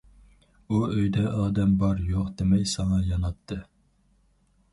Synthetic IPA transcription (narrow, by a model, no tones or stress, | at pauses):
uøjd̪ɛʔɑːd̪ɛmbɑɾjoqd̪emɛjsɑŋɑjɑnɑt̪ʰːɨ